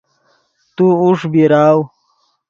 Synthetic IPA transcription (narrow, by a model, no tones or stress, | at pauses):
t̪uuʂbiɾaːw